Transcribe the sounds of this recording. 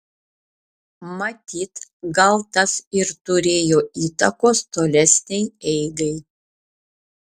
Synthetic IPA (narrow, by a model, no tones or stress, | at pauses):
mɐt̪ʲiːt̪ɡɐlˠt̪ɐsɪɾt̪ʊɾʲeːjoːiːt̪ɐkoːst̪oːlʲɛsʲnʲɛjɛɪɡɐɪ